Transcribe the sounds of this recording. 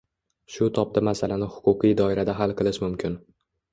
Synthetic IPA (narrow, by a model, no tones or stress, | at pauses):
ʃʊt̪ʰɒp̚d̪amasalanɪhʊ̥qʰʊqijd̪ɒɪɾad̪aɦalˠqʰɨlˠɪʃmʊmkʲʰɪn